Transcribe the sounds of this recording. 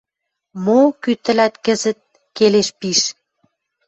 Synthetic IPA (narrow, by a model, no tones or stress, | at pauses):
mokyt̪ə̆læt̪kə̆zə̆t̪̚ | keleʃpiʃ